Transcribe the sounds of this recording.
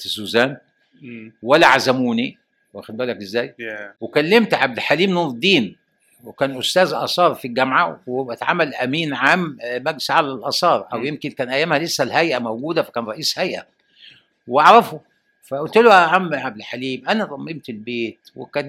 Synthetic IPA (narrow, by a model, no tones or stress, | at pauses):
t̪suːzæːn | wælːæʕazæmuːni | wʔæxæd̪bæːlækʔɪzːæːjwekælːemt̪ʕab̚d̪ħaliːmnuːvˤd̪iːn | wekæːnʔʊst̪æːzʔɑ̰sˤɑːɾˤfiɡæmʕawæt̪ʕamːælʔæmiːnʕammæɡsʕalælʔɑsˤɑːɾˤʔæwjemkɪnkæːnʔæjːæːmhælɪsːælhæjʔæmowɡuːd̪æfæ̥kæːnɾˤɑʔiːshæjʔæ̰ | weɑʕɾˤɑfo | fæʔʊlt̪loʕamːʕab̚d̪ħaliːmʔænæt̪ˤɑmːebt̪elbeːt̪wɪ̰kæː